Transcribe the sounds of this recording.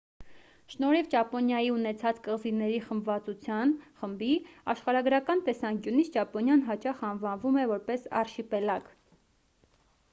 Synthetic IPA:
ʃnɔɾivt͡ʃɑpɔnjɑjiunɛt͡sʰɑt͡skəʁzinɛɾiχəmbvɑt͡sut͡sʰjɑnχəmbiɑʃχɑɾɑɡɾɑkɑnt̪ɛsɑŋkjunit͡sʰt͡ʃɑpɔnjɑnɦɑt͡ʃɑχɑnvɑnvumɛvɔɾpɛsɑ̰rʃipɛlɑk

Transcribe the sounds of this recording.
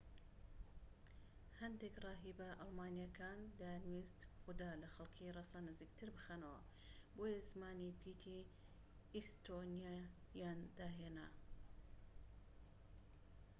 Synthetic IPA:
hɐnd̪ekrˤɑːɦibɐʔɑlˠmaːnijakʰaːnd̪aːɾmist̪xʊd̪aːlɐxɐlkʰirɑsanɨziːkt̪ʰɨɾbɨxanɐwɐ̰ | boːjazmaːnipʰiːt̪ʰi | ist̪ʰonija | jaːnd̪aːɦeːna̰

